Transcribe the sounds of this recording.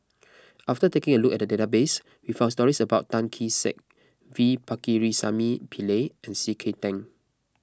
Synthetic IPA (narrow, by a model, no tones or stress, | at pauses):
ʔaftətekɪ̃ŋəlukɛt̚dədetabes | wifãʊns̬tɔɹisəbaʊt̚tːãnkʰisɛ̰k̚ | vipakiɹisa̰mipʰileɛ̃nsikʰetɛ̃ŋ